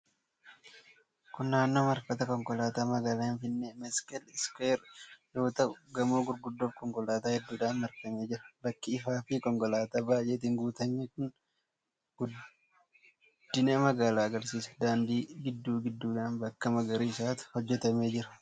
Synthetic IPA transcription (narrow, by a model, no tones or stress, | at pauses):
kʊnːaːnːoːmɐɾfɐt̪ɐkɔŋkɔlaːt̪aːmɐɡaːlaːhɪnfɪnːemɛskɛlɪskeːɾjo̞ːt̪ɐʔʊɡɐmoːɡʊɾɡʊd̪ːofkɔŋkɔlaːt̪aːhɛd̪ːuːᶑaːnmɐɾkɐme̞ːd͡ʒɪɾɐbɐkːɪɪfaːfɪkɔŋkɔlaːt̪aːbaːjʔeːt̪̬iːŋɡuːt̪ɐɲːekʊn | ɡ̥ʊd | d̪̥ːɪneːmɐɡaːlaːɡɐɾsiːsɐ̥d̪aːnd̪iːɡɪd̪ːuːɡɪd̪ːuːᶑaːnbɐkːɐmɐɡɐɾiːɪsaːt̪ʊ̥hɔd͡ʒːɛt̪ɐme̞ːd͡ʒɪɾɐ